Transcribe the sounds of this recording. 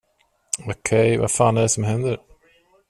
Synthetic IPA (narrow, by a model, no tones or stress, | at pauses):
okʰɛjva̰faːnæɖɛsɔmɦɛnd̪əɾ